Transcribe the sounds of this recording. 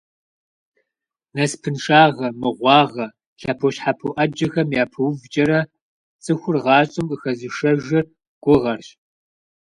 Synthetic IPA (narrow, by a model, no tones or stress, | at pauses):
nɐspʰɨnʂaːʁɐmɨʁʷɑːʁɐ | ɬɐpʰoɕħapʰoʔɐd͡ʒɐxɐmjaːpʰɐwvd͡ʒʼɐɾɐ | t͡sʼɨxʷʊrʁɑːɕʼɨmkʼɨxɐzɨʂɐʒɪr | ɡ̥ʷʊʁɐrɕ